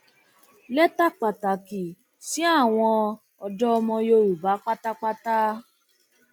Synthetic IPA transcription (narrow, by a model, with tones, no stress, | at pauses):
lɛ˦ta˦k͡pa˨ta˨ki˨ | si˨˦a˦˨w̃ɔ̃˧ | ɔ˧dɔ˦ɔ˧mɔ̃˧jo˧ɾu˨ba˨˦k͡pa˦ta˦k͡pa˦ta˦